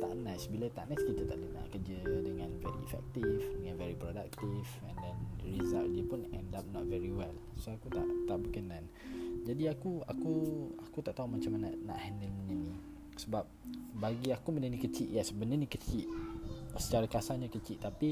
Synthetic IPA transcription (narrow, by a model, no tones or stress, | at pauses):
t̪a̰ʔnãsbilət̪aʔnaskit̪ət̪aʔləna̰ʔkəd͡ʒədəŋãnvɛ̰ɾḭɛ̰fɛ̰k̚t̪ivdəŋãnvɛɾipɾoda̰k̚t̪ivɛ̃ndɛnɹiza̰ldəpʊnɛ̰̃ndap̚nɔt̚vɛɹiwɛl | soakut̪a̰ʔt̪aʔbəkənãn | d͡ʒadiakua̰kuakut̪aʔt̪aɦumat͡ʃamanəna̰ʔhɛndəlmənənĩ | səbap̚baɡiakumə̃nənikət͡ʃiʔjɛsbənənikət͡ʃiʔsət͡ʃaɾakasaɲakət͡ʃiʔt̪api